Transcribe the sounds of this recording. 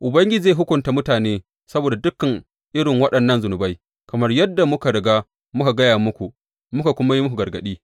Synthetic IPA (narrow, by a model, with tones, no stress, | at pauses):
ʔʊ˨bɐ˦ŋɡʲɪ˦d͡ʒi˦e˦˨ɦʊ˦kʷʊ˨nta˨mʊ˦taː˨neː˦ | sɐ˦boː˨da˨dʊ˦kːɐ˨ŋ | ʔɪ˦ɽɪ˨ŋwɐ˦ɗɐ˨nːɐ˦nzʊ˨nʊ˨ba˦j | kɐ˨mɐ˦rjɐ˦dːa˨mʊ˦ka˨ɽɐ˨ɡaː˦ | mʊ˦ka˨ɡɐ˦jaː˨mʊ˦kʷu˨ | mʊ˦ka˨kʷʊ˦ma˦ji˦mʊ˦ku˨ɡɐ˨rɡɐ˨ɗiː˦